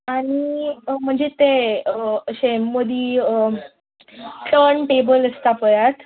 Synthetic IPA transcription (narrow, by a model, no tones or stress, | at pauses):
aɽ̃im̤əɳd͡zet̪e | ɕemːəd̪ʱi | t͡səɳʈebələst̪apəjat̪